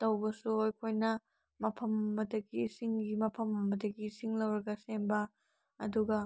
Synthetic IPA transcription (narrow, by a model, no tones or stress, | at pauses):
tɐwbɐsuojkʰojnɐ | mɐpʰɐmːɐdɐɡiːsiŋɡimɐpʰɐmɐmːɐdɐɡiːsiŋlɐwɾɐɡɐsembɐ | ɐ̰duɡɐ